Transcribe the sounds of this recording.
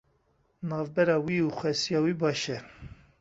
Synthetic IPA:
nɑːvbɛɾɑːwiːuxʷɛsijɑːwiːbɑːʃɛ

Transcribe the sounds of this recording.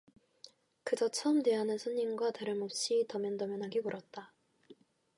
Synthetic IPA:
kɯd͡ʑʌt͡ɕʰʌɯmte̞ɦanɯnsʰuɲːinɡwataɾɯmop̚ɕ͈itʌmjʌndʌmjʌnɦaɡikuɾʔʌt̚t͈a

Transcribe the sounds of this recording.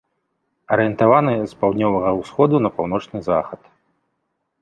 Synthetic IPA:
ɐɾɨjɛnt̪avanɨspawd̪ʲnʲɔvɐɣɐwsxɔd̪unɐpawnɔt͡ʂnɨza̰xɐt̪

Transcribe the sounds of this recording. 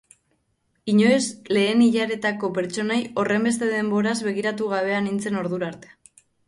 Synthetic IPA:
iɲo̞esle̞ːniʎaɾe̞t̪ako̞pe̞ɾt͡ʃo̞najo̞re̞mbe̞st̪e̞ðe̞mbo̞ɾazβe̞ɣiɾat̪uɣ̞aβ̞e̞anint͡se̞no̞ɾðuɾaɾt̪e̥

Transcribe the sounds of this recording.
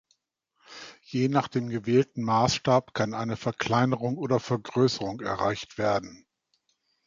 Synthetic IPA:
jeːnaːχd̥eːmɡəvɛːltn̩maːsʃtaːpkʰanʔaɪnəfɛɐkʰl̥aɪnəʁʊŋʔoːdɐfɛɐɡʁøːsəʁʊŋɛ̰ɐʁaɪçtv̥eːɐdn̩

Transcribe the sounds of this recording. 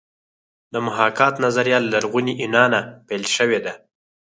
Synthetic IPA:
d̪əmʊɦɑkɑt̪nazaɾjɑlːaɾɣuniʔɪnɑnapejlʃəwed̪a

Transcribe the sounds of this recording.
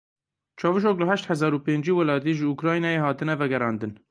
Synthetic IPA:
t͡ʃʰɑːvɨʃoːkləhɛʃt̪hæzɑːɾupeːnd͡ʒiːwælɑːt̪iːʒɨukɾɑːjnɑːjeːhɑːt̪ɨnɛvɛɡɛɾɑːnd̪ɨn

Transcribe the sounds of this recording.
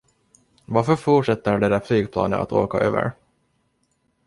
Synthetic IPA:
vaɾfœfuʈʂɛt̪ːəɖ̪ɛd̪æflyːɡpʰlɑ̰ːnəna̰t̪o̰ːkaʔøːvə̰ɾ

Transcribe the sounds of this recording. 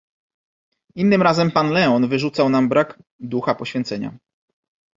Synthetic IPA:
inːɘmɾazɛmpanlɛɔnvɘʐut̪sawnambɾaɡ | d̪uxapɔɕfʲjɛnt̪sɛɲa̰

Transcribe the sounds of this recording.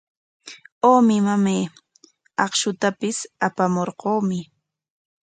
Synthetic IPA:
oːmɪmameː | ɑχʃʊt̪apɪsapamoɾqoːmɪ

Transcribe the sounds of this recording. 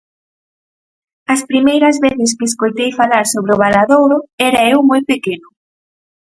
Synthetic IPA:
ɐspɾimejɾɐzβeθɪskɪːskojt̪ejfalaɾsoβ̞ɾeʊβ̞alaðowðʊɛɾɐewmojpekenʊ

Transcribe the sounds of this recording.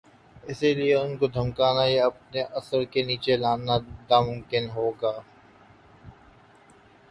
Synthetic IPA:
ɪsilieʊnkod̪ʱɐmkaːnajaɐp̚neʔɐsəɾkeniːt͡ʃelaːnanaːmʊmkɪnɦoːɡaː

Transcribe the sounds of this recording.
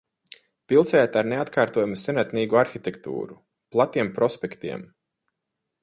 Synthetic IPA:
pilˠsɛjat̪aɾneat̪kaːɾt̪uɔjamusɛnat̪niːɡuaɾxit̪ʲɛkt̪ṵːɾu | plˠat̪iɛmpɾɔspʲɛkt̪iɛm

